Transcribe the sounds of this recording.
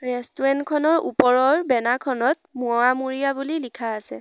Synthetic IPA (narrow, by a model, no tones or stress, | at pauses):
ɹɛstuɹɛntkʰɔnɔɹṵpɔɹɔɹbɛnakʰɔnɔt̚muamuɹijabulilikʰaːsɛ̰